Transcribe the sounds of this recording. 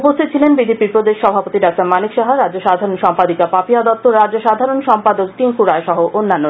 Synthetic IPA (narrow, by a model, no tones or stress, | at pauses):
upost̪ʰit̪ot͡ɕʰilenbid̪epiɾpɾod̪eʃːɔbʱapot̪iɖak̚taɾmanikʃɔɦaɾadd͡ʑoʃad̪ʱaɾonʃɔmpad̪ikapapiad̪ɔt̪ːoɾadd͡ʑoʃad̪ʱaɾonʃɔmpad̪ok̚t̪iŋkuɾaeʃɔɦoʔʔonːanːo